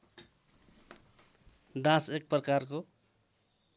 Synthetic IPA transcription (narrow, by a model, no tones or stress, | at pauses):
d̪ãsek̚prʌkarko